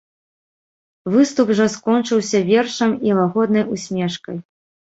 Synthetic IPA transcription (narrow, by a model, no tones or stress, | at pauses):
vɨst̪upʐɔskɔnt͡ʂɨwsʲɐvʲɛrʂɐmilˠaɣɔd̪nɐjusʲmʲɛʂkɐj